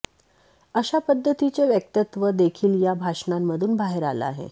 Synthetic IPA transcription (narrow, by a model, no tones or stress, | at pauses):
əɕapəd̪ʱːət̪it͡ɕeʋjək̚t̪ət̪ʋəd̪ekʰiːljabʱaʂnamːəd̪ʱuːnbʱaɦeɾa̰la̰ɦḛ